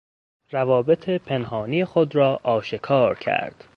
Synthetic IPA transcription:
ɾævɒːbe̞t̪ʰepʰe̞nhɒːniːjexod̪ɾɒːʔɒːʃekʰɒːɾcʰæ̰ɾd̪̥

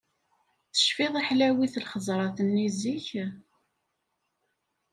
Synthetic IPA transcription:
θə̥ʃfiðˤiħlæwiθlχəzˤɾˤɑθənːiziç

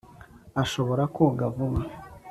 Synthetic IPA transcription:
aʃo̞βo̞ɾakuɡavuma

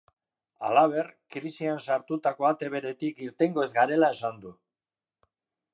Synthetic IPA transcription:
a̰laβ̞e̞rkɾisiansaɾt̪ut̪ako̞at̪e̞βe̞ɾe̞t̪ikiɾt̪e̞ŋɡo̞e̞zɡaɾe̞lae̞sand̪u

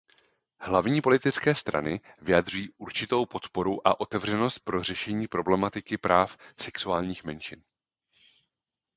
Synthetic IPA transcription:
hlavɲiːpo̞lɪt̪ɪt͡skɛːst̪ɾʔa̰nɪ | vɪjad̪r̝ujiːʔuɾt͡ʃɪt̪o̞wpo̞t̪po̞ɾuʔa̰ʔo̞t̪ɛvrɛno̞st̪̚pɾo̞r̝ɛʃɛɲiːpɾo̞blɛmat̪ɪkɪpɾaːfsɛksuaːlɲiːxmɛnʃɪn

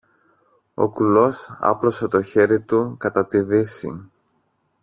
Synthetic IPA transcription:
o̞̰kulo̞sɐ̰plo̞se̞t̪o̞çe̞ɾit̪ukɐt̪ɐt̪iðisḭ

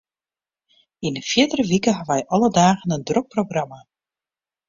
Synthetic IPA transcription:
inəfjɪdərəʋikəɦaʋɛjʔɔlədaːɣənəndrok̚prowɣrama

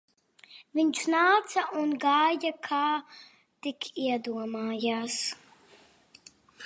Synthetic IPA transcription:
vɪnʲt͡ʃnaːt͡sʰɐʔunɡaːjɐkʰaː | d̪̥ɪkʰiɐd̪uɐmaːjaːs

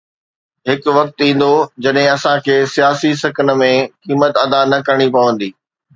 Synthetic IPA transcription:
ɦɪkʋɐk̚t̪ĩːn̆d̪od͡ʑɐɗɦɪ̃ɐsãkʰeːsijaːsisɐkʰənə̆mẽkiːmət̪ɐd̪anɐkɐɾɽ̃ipɐʋə̃nd̪iː

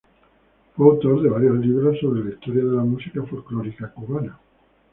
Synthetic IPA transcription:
foawt̪oɾðeβ̞aɾjozliβ̞ɾosːoβɾelaist̪ɔɾjaðelamusikafolklɔɾikakuβana

